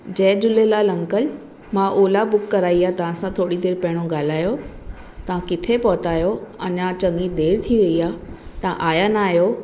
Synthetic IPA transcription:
d͡ʑɛ̃ːd͡ʑʊlelalɐ̃ŋkəl | mãʔoːlabʊkːɐɾaːiaːt̪ɐʋ̤ãsãt̪ʰoːɽid̪eːɾpɐɦɪɽ̃oɡaːl̤aːjo | t̪ɐʋ̤ãkɪt̪ʰepɔɦt̪aːjoɐɲãt͡ɕɐŋid̪eːɾt̪ʰiʋɐiaːt̪ɐʋ̤ãʔaːjanaːɦjo

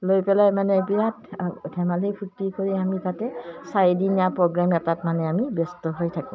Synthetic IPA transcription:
lojpɛlajmanɛbijatdʰʱɛmalejpʰutːikoɹiamitatɛsajidinijapɹɔɡɹamɛtatmanɛamibɔstɔɦojtʰakũ

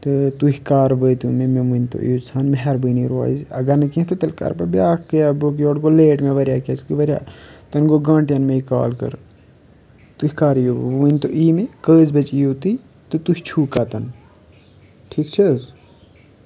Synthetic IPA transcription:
t̪ɨt̪uɦikaːɾbət̪umẽmẽmunʲt̪o̰ʔḭoːt͡sʰaːnmɦɐɾbɨniɾa̰ːzɐɡɐɾnɐkĩt̪ot̪ɐlkɐ̰ɾpɐbʲjaːkkəjabok̬ioːɽɡoleːʈmẽʋɐɾjaːkʲɐskɨʋɐɾʲja̰ːt̪ɐnɡoɡãːɳʈjɐnmẽika̰ːlkɐ̰ɾ | t̪uɦikaːɾijoːmunʲt̪oʔiːmekəːzbɐt͡ʃijoːt̪i | t̪ɨt̪ust͡ʃʰuːkaːt̪ɐn | ʈʰiːkt͡ʃʰɐz

